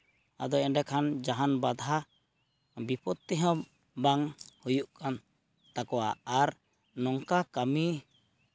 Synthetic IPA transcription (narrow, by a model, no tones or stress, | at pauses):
a̰d̪ɔɛnɖɛkʰand͡ʒaɦanbad̪ʱa | bipɔt̪ːiɦɔ̃ | baŋhujuʔkʰan | t̪akɔwa̰aɾ | nɔŋkakami